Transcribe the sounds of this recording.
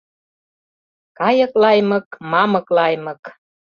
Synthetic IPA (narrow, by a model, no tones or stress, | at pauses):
kɑjɤ̆klɑjmɤkmɑmɤklɑjmɤ̆k